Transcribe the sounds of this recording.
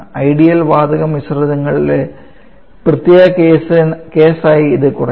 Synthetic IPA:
ɐjɽijɐlʋaːd̪ɐɣɐmʋisrɐðɐŋːɐɭile | prɨt̪jeːɣɐkeːsnke̞ːsaːjiːðɨkurɐ

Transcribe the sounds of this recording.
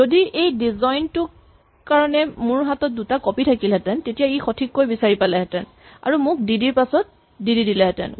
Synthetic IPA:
zodiʔejdizɔjntʊk | kaɹɔnɛmʊɹɦatɔt̚dutakɔpitʰakilɦɛtɛntetijaixɔtʰikːojbisaɹipalɛɦɛtɛn | a̰ɹumʊk̚didiɹpasɔt̚ | dididilɛɦɛtɛ̰n

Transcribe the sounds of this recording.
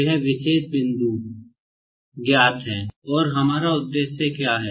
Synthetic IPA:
ɦɛʋɪʃeːsbɪ̃nd̪u | ɡjaːt̪ɦɛ̃ːɔːɾɦɐmaːɾaʊd̪ːeːʃːekjaːɦɛː

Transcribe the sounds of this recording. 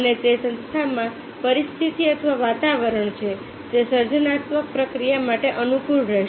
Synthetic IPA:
əned͡ʒesə̃nst̪ʰamã | pəɾist̪ʰit̪iət̪ʰʋaʋat̪aʋəɾəɳt͡ʃʰe | d͡ʒesəɾd͡ʒənat̪mək̚pɾəkɾijamaʈeʔənukulɾɛ

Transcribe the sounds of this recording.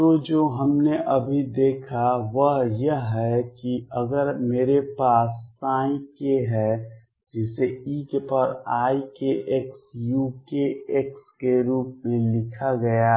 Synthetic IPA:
t̪od͡ʒoːɦəmneʔəbʱid̪eːkʰaʋəɦjəɦɛkiəɡəɾmeːɾepaːsːaːĩkeɦɛ | d͡ʒɪseiːkpəɾaːikeʔeksjukeekskeɾuːpmẽlɪkʰaɡəja

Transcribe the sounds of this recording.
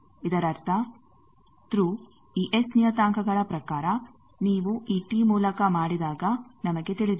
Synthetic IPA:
id̪ɐɾɐɾt̪ʰɐ | t̪ɾu | iːʔesnijɐt̪aːŋkɐɡɐɭɐpɾɐkaːɾɐ | niːʋuʔiːʈiːmuːlɐkɐmaːɽid̪aːɡɐnɐmɐɡe̞t̪iɭid̪u

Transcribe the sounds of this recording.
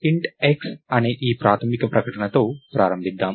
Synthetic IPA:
iɳʈeksɐneːʔiːpɾaːt̪ʰɐmikɐpɾɐkɐʈɐɳɐt̪o̞ːpɾaːɾɐmbʱid̪ːaːm

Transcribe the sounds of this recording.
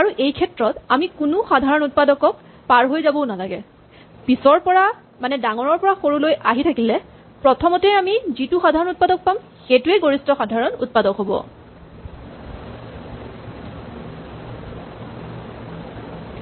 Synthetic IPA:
aɹuʔejkʰɛtɹɔtamikunʊxadʱaɹɔnut̚padɔkɔk̚ | paɹɦojzabɔʊnalaɡɛ̰ | pisɔɹpɔɹa | manɛdaŋɔɹɔɹpɔɹaxoɹulojʔaɦitʰakilɛ | pɹɔtʰɔmɔtɛamizitʊxadʱaɹɔnut̚padɔk̚pam | xetuɛɡoɹistɔxadʱaɹɔnṵt̚padɔkɦobɔ̰

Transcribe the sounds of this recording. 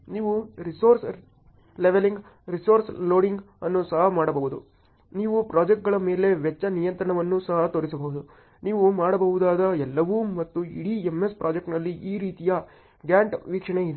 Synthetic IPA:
niːʋuɾisoːɾs | leʋeliŋɡ | ɾisoːɾsloːɽiŋɡ | ɐnːusɐɦɐmaːɽɐbɐɦud̪ṵ | niːʋupɾaːd͡ʒek̚ʈ̚ɡɐɭɐme̞ːle̞ʋɛt͡ʃːɐnijɐnt̪ɾɐɳɐʋɐnːusɐɦɐt̪oːɾisɐbɐɦud̪u | niːʋumaːɽɐbɐɦud̪aːd̪ɐɛlːɐʋumɐt̪ːuḭɽieme̞spɾʔaːd͡ʒekʈnɐlːiʔiːɾiːt̪ijɐ | ɡjaːɳʈʋiːkʂɐɳeid̪

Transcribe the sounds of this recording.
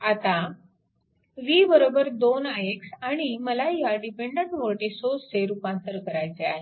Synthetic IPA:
at̪a | ʋibəɾobəɾd̪onajeksaɽ̃iməlajaɖipeɳɖəɳʈmoʈesoseɾupãnt̪əɾkəɾajt͡sea̰ɦe

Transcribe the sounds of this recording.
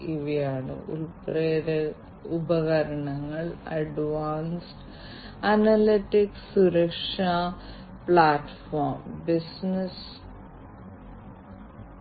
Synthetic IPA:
iʋijaːɳɨ̰ʔṵlpreːɾɐ | ubɐɣɐɾɐɳɐŋːɐɭɐ̰ɖʋaːnsʈ | ɐnɐliʈːiksuɾɐkʂa | pɭaːʈːfoːrmbisnɐs

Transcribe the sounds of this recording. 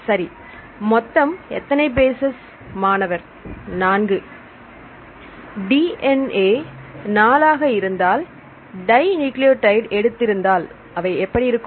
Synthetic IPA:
sɐɾi | mɔt̪ːɐmɛ̰t̪ːɐnɐɪbeːsɛs | maːnɐʋɐɾ | naːnɡɯ | ɖiʔɛneːnaːlaːɣɐɪɾɯnd̪aːl | ɖɐɪnuːklɪjoʈɐɪɖɛɽɯt̪ːɪɾɯnd̪aːl | ɐʋɐɪɛpːɐɽijɪɾɯkːɯ

